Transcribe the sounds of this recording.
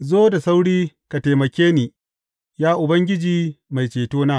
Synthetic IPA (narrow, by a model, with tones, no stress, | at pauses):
zoː˦da˨sa˦wɽiː˦ka˨ta˨mɐ˨kʲeː˦niː˦ | jaː˦ʔʊ˨bɐ˦ŋɡʲɪ˦d͡ʒiː˨ma˨jt͡ʃeː˨toː˦naː˦